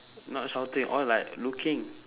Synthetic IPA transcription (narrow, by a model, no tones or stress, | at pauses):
nɔt̚sawtĩŋʔɔlaɪklukʰĩŋ